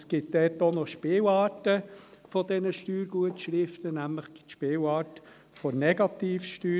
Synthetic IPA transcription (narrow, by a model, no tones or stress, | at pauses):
sɡ̥ɪt̚d̪ɛːt̪onɔʃpeːwɑːtəfɔd̪ɛnəʃtyːɾɡuətʃɾɪft̪ənæmləχɡ̥ɪ̥tʃpeːwɑːt | fonɛɡ̥ɑt̪iːfʃtyː